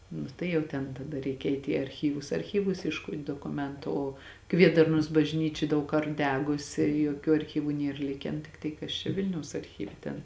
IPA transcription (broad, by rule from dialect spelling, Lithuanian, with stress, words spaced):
ˈnʊ tɐɪ jɛʊ ˈtʲɛn tɐˈdɐ ˈrʲɛɪkʲɛ ˈɛɪtʲ iː ɐrʲˈxʲiːʋʊs ɐrʲˈxʲiːʋʊs iɛʃˈkoːtʲ doːkʊˈmʲɛntʊ ˈoː ˈkʋʲiɛdɐrnoːs bɐʒʲˈnʲiːt͡ʃʲɛ ˈdɐʊk ˈkɐrt ˈdʲæːɡʊsʲɪ joːˈkʲuː ɐrʲˈxʲiːʋʊ ˈnʲiɛr ˈlʲɪkʲɛn ˈtʲɪktɐɪ ˈkɐs t͡ʃʲɛ ˈʋʲɪlʲnʲɛʊs ɐrʲˈxʲiːʋʲɛ tʲɛn